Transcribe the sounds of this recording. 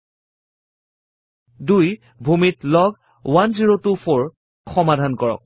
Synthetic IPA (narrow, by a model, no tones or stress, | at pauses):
duj | bʱumitlɔɡ | wanziɹotupʰoɹ | xɔmadʱankɔɹɔ̰k̚